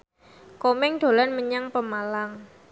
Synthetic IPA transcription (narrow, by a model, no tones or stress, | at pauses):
komɛŋɖ̪̥o̤lanməɲaŋpəmalaŋ